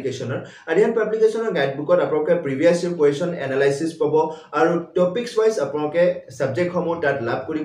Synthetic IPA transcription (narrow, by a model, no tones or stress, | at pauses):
ikesɔnɔɹ | adianpablikesɔnɔɹɡajt̚bukɔtapunalukɛpɹibʱiasikwesɔnɛ̰nalajsispabɔaɹutɔpiksbajsapʊnalɔkɛsabzɛk̚txɔmutatlab̚ʱkoɹi